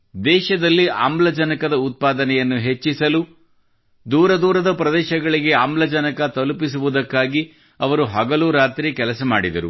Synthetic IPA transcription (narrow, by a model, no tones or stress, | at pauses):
d̪ɛːʃɐd̪ɐlːia̰ːmblɐd͡ʒɐnɐkɐd̪ɐut̪̚paːd̪ɐnɛjɐnːuɦe̞t͡ʃːisɐlu | d̪uːɾɐd̪uːɾɐd̪ɐpɾɐd̪ɛːʃɐɡɐɭiɡe̞aːmblɐd͡ʒɐnɐkɐt̪ɐlupis̬uʋud̪ɐkːaːɡi | ɐʋɐɾuɦɐɡɐluːɾaːt̪ɾikɛlɐsɐmaːɽid̪ɐɾṵ